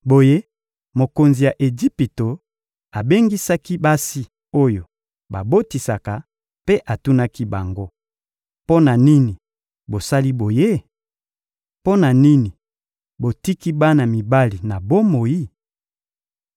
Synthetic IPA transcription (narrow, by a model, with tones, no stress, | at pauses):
bo˨je˦ | mo˨ko˨nzi˨ja˨ʔe˨d͡ʒi˦pi˨to˨ | a˨be˦ŋɡi˦sa˦ki˦ba˦si˦ | o˦jo˨ | ba˨bo˦ti˨sa˨ka˨ | pe˦ʔa˨tu˦na˦ki˦ba˨ŋɡo˦ | po˦na˨ni˦ni˨ | bo˨sa˦li˦bo˨je˦ | po˦na˨ni˦ni˨ | bo˨ti˦ki˦ba˦na˨mi˨ba˦li˨na˨bo˦mo˨i˦